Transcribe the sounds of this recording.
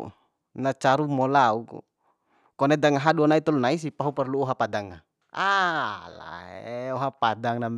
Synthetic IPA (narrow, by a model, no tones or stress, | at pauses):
nat͡ʃaɾumɔlaukṵ | kɔnedaŋaɦaduanait̪ɔlnais̬ipaɦupɛrluɔɦapadaŋːa | ala̰ɔɦapadaŋnam